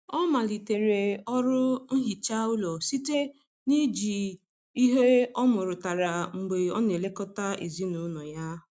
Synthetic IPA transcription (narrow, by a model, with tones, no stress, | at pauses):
ɔ˦ma˨li˨te˨ɾe˨ɔ˦ɾʊ˦ŋ̩˦ɦi˨t͡ʃa˦ʊ˦lɔ˨si˦te˦ | ni˦d͡ʒi˨ | i˦ɦe˦ɔ˦mʊ˨ɾʊ˨ta˨ɾa˨ŋ͡m̩˨ɡ͡be˨ɔ˦ne˨le˦kɔ˦ta˦ḭ˨zi˦nu˨˦nɔ˨ja˦